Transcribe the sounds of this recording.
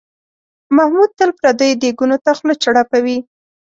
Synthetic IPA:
mahmud̪̚t̪əlpɾad̪əjd̪eɡunot̪axlot͡ʃaɽapawi

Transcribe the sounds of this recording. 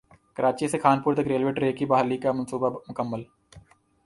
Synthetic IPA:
kɐɾaːt͡ʃisekʰaːnpuːɾt̪ɐkɾeːlʋeːʈɾeːkibaɦlikamɐnsuːbamʊkəmːəl

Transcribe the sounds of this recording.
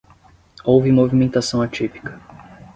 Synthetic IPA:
owvɪmovimẽnt̪asɐ̃w̃at͡ʃipi̥kɐ̥

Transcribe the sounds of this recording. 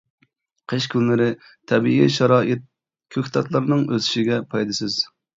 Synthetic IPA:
qʰəʃkʲʰynlɪɾɪ | t̪ʰɛbiʔḭʃɑɾɑːʔɪt̪̚ | kʲʰøkʲt̪ʰɑt̪lˠɑɾnɨŋøzy̥ʃiɡʲɛpʰɑjd̪ɨsɨz̥

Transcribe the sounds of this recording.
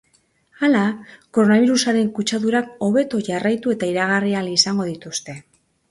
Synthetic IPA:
alako̞ɾo̞naβ̞iɾusaɾe̞ŋkut͡ʃaðuɾako̞βe̞t̪o̞ʝarajt̪ue̞t̪aiɾaɣ̞arialisaŋɡo̞ðit̪ust̪e̞

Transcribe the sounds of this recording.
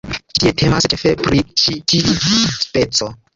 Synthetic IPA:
tietʰemast͡ʃefepɾit͡ʃitid͡ʒispet͡so

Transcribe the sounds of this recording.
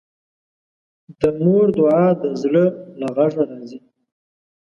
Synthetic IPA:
d̪əmoɾd̪ʊʕɑd̪əzləlaɣaʐaɾɑzi

